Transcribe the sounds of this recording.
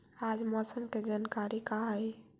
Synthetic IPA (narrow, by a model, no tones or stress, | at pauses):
ad͡ʒmɔsəmked͡ʒankaɾikaɦaj